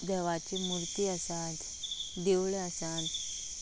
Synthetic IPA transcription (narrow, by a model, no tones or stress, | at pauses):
d̪əʋat͡ɕimuɾt̪iəsãt̪ | d̪ewɭeəsãt̪